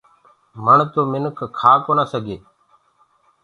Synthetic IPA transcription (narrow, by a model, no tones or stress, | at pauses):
məɳt̪oːmɪnkʰkʰaːkoːnaːsəɡʱeː